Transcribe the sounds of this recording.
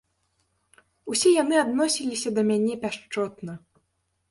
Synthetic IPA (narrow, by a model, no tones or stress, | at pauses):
usʲɛjanɨad̪nɔsʲilʲisʲɐd̪ɐmʲanʲɛpʲaʂt͡ʂɔt̪nɐ